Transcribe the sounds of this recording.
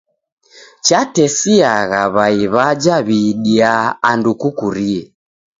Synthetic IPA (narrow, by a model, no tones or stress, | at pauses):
t͡ʃatɛsiaɣaβaiβad͡ʒaβiɗiaandukukuɾiɛ